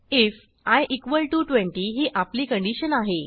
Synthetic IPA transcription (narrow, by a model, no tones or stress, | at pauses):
if | ajʔikʋəlʈuʈʋẽɳʈiɦiːʔapliːkəɳɖiɕənaɦe